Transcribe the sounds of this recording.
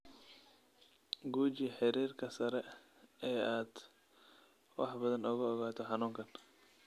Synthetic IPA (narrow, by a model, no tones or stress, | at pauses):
ɡuːt͡ʃiħɪɾiːrkʰɐsɐɾɛ | ɛjaːd̪ | wɑ̰ħbɐðɐnʊɣɐːɣaːt̪ʰɔħɑnuːŋkʰɐn